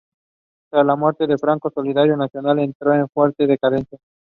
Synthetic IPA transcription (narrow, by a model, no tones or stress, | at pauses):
t̪ɾazlamweɾt̪eðefɾaŋkosoliðaɾjonasjonalent̪ɾoeɱfweɾt̪eðekaðensja